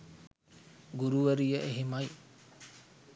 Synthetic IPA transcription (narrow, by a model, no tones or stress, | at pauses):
ɡuɾuʋɐɾijɐʔeɦimɐj